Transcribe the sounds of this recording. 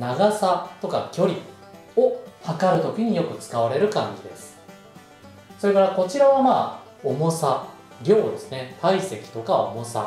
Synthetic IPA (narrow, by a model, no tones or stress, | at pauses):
naɡasat̪o̞kakʲo̞ɾʲi | ohakaɾɯ̟t̪o̞kʲiɲ̟ijokɯ̟t͡sɨ̥kaβ̞aɾe̞ɾɯ̟kãɲ̟d͡ʑid̪e̞sɨ̥ | so̞ɾe̞kaɾako̞t͡ɕiɾaβamaː | o̞mo̞sa | ɾʲo̞ːd̪e̞sɨnet̪ʰaise̞kʲi̥t̪o̞kao̞̰mo̞sa̰